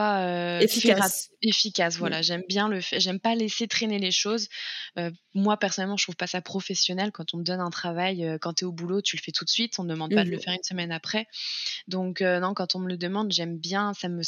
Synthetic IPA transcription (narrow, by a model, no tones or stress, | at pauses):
paøefifʁaefikʲasvwalaʒɛmbjɛ̃ləfɛʁʒɛmpaleset̪χeneleʃozømwapɛʁsɔnɛlmɑ̃ʒət̪χuvpasapχɔfɛsjɔnɛlkɑ̃t̪ɔ̃məd̪ɔnɛ̃t̪χavajøkɑ̃t̪yɛobulot̪yləfɛt̪ʰut̪sɥit̪ɔ̃md̪əmɑ̃d̪pad̪ələfɛʁynsəmɛnapχɛd̪ɔ̃kønɔ̃kɑ̃t̪ɔ̃mələd̪əmɑ̃d̪ʒɛmbjɛ̃samə